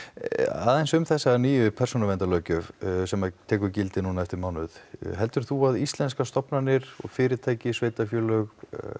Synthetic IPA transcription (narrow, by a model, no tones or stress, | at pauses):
a̰ːðɛnsʏmθɛsːaniːjʏpʰɛ̥sonavɛnt̪alœːɥcʏvsɛmaðt̪ʰɛːkʏɾcɪlt̪ɪnuːnaɛft̪ɪɾmaːwnʏðɦɛlt̪ʏɾ̥θuaðist̪lɛnskast̪ɔpnanɪɾ̥ɔ̰ɣfɪːɾɪɾt̪ʰaːjcɪsveːjt̪afjœːlœɣ